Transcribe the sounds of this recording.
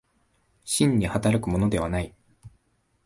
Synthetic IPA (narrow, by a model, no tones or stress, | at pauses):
ɕĩɲ̟ːihat̪aɾakɯ̟mo̞no̞d̪e̞β̞anai